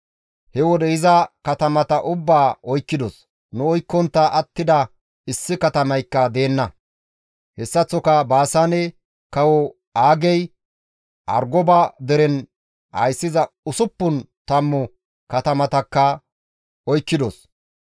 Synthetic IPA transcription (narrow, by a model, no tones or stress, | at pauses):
hɛwɔd̪ɛɪzɐkɐt̪ɐmɐt̪ɐʔʊbːaːʔɔjkːɪd̪ɔs | nʊɔjkːɔnt̪ːɐʔɐt̪ːɪd̪ɐ | ɪsːɪkɐt̪ɐmɐjkːɐd̪e̞ːnːɐ | hɛsːɐt͡sːɔkɐbaːsanɛ | kɐwɔ | aːɡɛj | ʔɐ̰ɾɡɔbad̪ɛɾɛn | hɐ̰jsːɪzɐʊsʊpːʊn | t̪ɐmːɔ | kɐt̪ɐmɐt̪ɐkːɐ | ɔjkːɪd̪ɔs